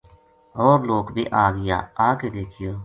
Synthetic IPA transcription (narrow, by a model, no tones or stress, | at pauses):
ɔːɾloːkbʱḭːʔaːɡɪja̰ːaːkeːd̪eːkʰɪjoː